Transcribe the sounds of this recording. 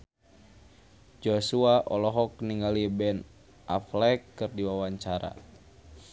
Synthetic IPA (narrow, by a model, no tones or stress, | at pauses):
d͡ʒosuaʔɔlɔɦɔk̚niŋɡalibɛn | ʔaflɛkːɨrdiwawaɲt͡ʃaɾa̰